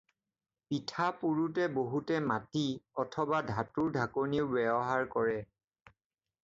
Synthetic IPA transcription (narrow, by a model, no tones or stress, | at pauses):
pitʰapuɹutɛboɦutɛmatiɔtʰɔbadʱatuɹdʱakoɹniʊbɛbɔɦaɹkɔɹɛ